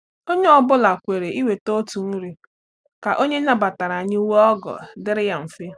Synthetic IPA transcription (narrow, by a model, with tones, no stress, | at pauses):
o˦ɲe˦ɔ˦bʊ˦la˨kʷe˨ɾe˨ʔi˦we˨to˦tu˨n̩˦ɾi˦ | ka˨ʔo˦ɲe˦na˦ba˨ta˨ɾa˨ɲɪ˦u˦we˦ɔ˦ɡɔ̰˨dɪ˦ɾɪ˦ja˦m̩˨fe˦